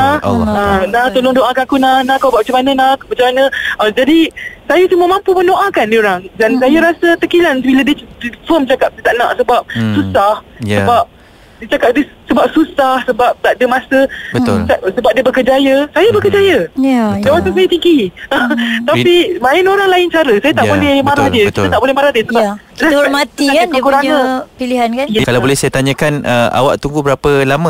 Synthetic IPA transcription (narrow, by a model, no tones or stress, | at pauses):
nahanaht̪olʊŋdoʔakanakunahnãkawbaʔmat͡ʃamanənahmat͡ʃamanə̃əd͡ʒadisajasuməmãmpuməndoʔakandioɾaŋdansajaɾasat̪əkilansbiladiədfəmt͡ʃakap̚dət̪aʔnã̰ʔsəbap̚susahsəbap̚ | diət͡ʃakap̚disəbap̚susahsəbap̚t̪aʔdəmasəbət̪ʊ̰lasəbap̚diəbəkərd͡ʒajəsajabəkərd͡ʒajəjaamasas̬ajat̪iŋɡi | t̪apimaɪnoɾaŋlaɪnt͡ʃaɾəsajat̪aʔbolɛhmaɾahdiəətiʊət̪aʔbolɛhmaɾahdiəsəbaa | ɾaɔmãt̪iakaandəkuɾaɲãpiliɦankanjakalawbolɛhsajat̪aɲəkanʔəa̰wa̰ʔt̪uŋɡubəɾapəlamə̃